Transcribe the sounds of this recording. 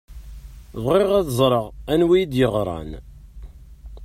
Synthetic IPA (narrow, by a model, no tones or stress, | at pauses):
ðʁiʁæðzˤɾˤəʁænwijid̪jəʁɾˤɑ̰n